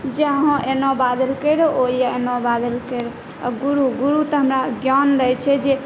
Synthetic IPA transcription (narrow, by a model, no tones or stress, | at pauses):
d͡ʒeaɦõʔenɔbad̪əlkəjɾooijaenɔbad̪əlkəjɾo | ɡuɾuɡuɾut̪ɔɦəmɾaɡjand̪ɛjt͡ʃʰɛd͡ʒe